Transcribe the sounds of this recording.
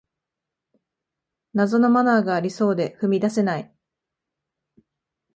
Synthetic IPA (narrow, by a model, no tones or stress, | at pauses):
nazo̞no̞manaːɡaːɾʲiso̞ːd̪e̞ɸɯ̟mʲid̪ase̞nai